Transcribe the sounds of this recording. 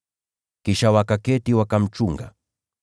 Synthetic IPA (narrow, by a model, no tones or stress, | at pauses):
kiʃawakakɛtiwakam̩t͡ʃuŋɡa̰